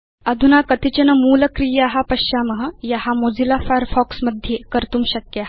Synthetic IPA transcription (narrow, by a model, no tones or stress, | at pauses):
əd̪ʱunakət̪it͡ɕənəmuːləkɾijaɦapəɕaməɦəjaɦamod͡zilafajəɾfɔksməd̪ʱjekəɾt̪uːmɕəkja